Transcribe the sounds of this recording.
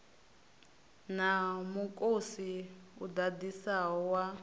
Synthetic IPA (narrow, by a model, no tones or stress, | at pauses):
namukʼosiudadisaɦɔwa